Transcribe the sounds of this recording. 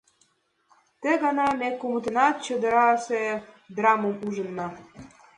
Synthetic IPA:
t̪ĕɡɑnɑmekumət̪ə̆nɑt̪̚t͡ɕə̆d̪ə̆ɾɑse | d̪rɑmomuʒə̆nːɑ

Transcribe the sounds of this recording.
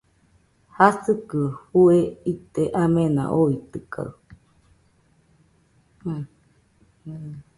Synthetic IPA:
hasɨkɨhueit̪eʔamẽna̰ʔoit̪ɨkʰa̰ɯ

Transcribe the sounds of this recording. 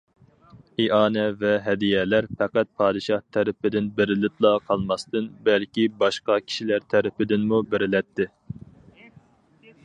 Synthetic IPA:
iʔɑːnɛvɛɦɛd̪ijɛlæɾfɛqæt̪̚pʰɑːd̪ɨʃɑht̪ʰɛɾɪpɪd̪ɪnbɪɾɪlɪt̪lˠɑqʰɑlˠmɑst̪ɨnbɛlkʲibɑʃqɑkʲʰi̥ʃilæɾt̪ʰɛɾɪpɪd̪ɪnmubɪɾɪlɛt̪ʰːɪ

